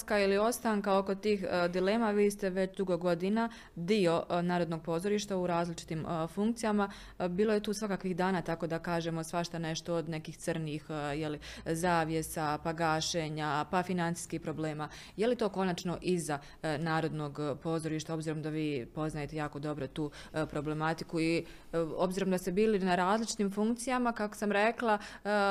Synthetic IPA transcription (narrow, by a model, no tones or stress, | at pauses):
kailio̞st̪aːŋkao̞ko̞t̪iːxd̪ile̞ːmaʋiːst̪e̞ʋe̞t͡ɕd̪uɡo̞ɡo̞d̪ina | d̪io̞naːɾo̞d̪no̞ɡ̚po̞ːzo̞ɾiːʃt̪auɾaːzlit͡ʃi̥t̪iːmfuŋkt̪sijama | biːlˠo̞je̞t̪uːsʋakakʋixd̪aːnaːt̪ako̞d̪akaːʒe̞mo̞sʋaʃt̪ane̞ʃt̪o̞od̪ne̞kiːxt̪sərnixjelizaːʋje̞sapaɡaːʃeːɲapafinant̪i̥ːskiːhpɾo̞ble̞ːmaː | je̞lit̪o̞ːko̞nat͡ʃno̞ʔiza | naːɾo̞d̪no̞ɡpo̞zo̞ɾiʃt̪ao̞bziːɾo̞md̪aʋiːpo̞znaje̞t̪e̞jaːko̞d̪o̞bɾo̞t̪uːpɾo̞ble̞mat̪i̥kui | o̞bziːɾo̞md̪ast̪ebiːlinaɾaːzlit͡ʃi̥t̪iːmfuŋkt̪sijamakako̥samɾe̞klˠa